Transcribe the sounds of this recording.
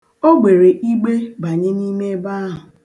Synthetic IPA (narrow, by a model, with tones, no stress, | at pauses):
o˦ɡ͡be˨ɾe˨ʔi˦ɡ͡be˦ba˨ɲe˦ni˦me˦ba˦ɦɦʊ˨